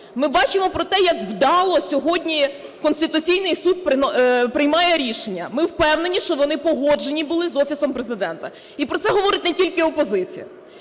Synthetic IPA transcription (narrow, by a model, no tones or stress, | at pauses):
mɪbɑt͡ʃɪmɔpɾɔt̪ɛjɐkwd̪ɑlˠɔsʲɔɦɔdʲnʲi | kɔnsʲt̪ɪt̪ʊt͡sʲijnɪjsud̪̚p̪pɾɪjmɑjɛɾʲiʃenʲːɐmɪwpɛwnenʲiʃt͡ʃɔʋɔnɪpɔɦɔd͡ʒe̞nʲibʊlˠɪzɔfʲisɔmpɾezɪd̪ɛnt̪ɐ | ipɾɔt̪ɛɦɔʋɔɾɪtʲnetʲilʲkɪɔpɔzɪt͡sʲḭjɐ